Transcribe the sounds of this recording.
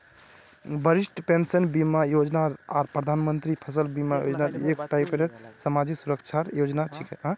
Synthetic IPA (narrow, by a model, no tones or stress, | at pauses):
bəɾisʈpensənbimajod͡ʒnaɾaɾpɾəd̪ʱanmənt̪ɾipʰəs̬əlbimajo̰d͡ʒnaɾekʈajpeɾeɾsəmad͡ʒiksuɾəkt͡ʃʰaɾjod͡ʒnat͡ʃʰikɛɦã